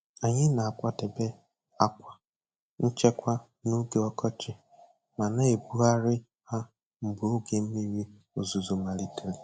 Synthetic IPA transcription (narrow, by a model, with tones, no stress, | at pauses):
a˨ɲɪ˦na˨a˨kʷa˦te˨be˦ | a˦kʷa˨ | n̩˦t͡ʃe˦kʷa˦ | nu˦ɡe˦ɔ˦kɔ˦t͡ʃɪ˨ | ma˨ne˦e˨bu˦a˦ɾɪ˦ | ha˦ | m̩˨bʊ˨o˦ɡe˨m̩˦mi˦ɾi˦ | o˨zu˨zo˨ma˨ɾi˦te˦le˨